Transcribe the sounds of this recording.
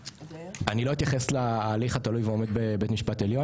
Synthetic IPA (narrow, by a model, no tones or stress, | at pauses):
anilo̞it̪jaχeslaːliχat̪alujveo̞me̞d̪bebet̪miʃpat̪eljo̞